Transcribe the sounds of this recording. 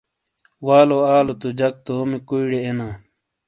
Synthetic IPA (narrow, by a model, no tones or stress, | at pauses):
waːloaːlot̪ud͡ʑɐk̚t̪oomikuiɽeːnaː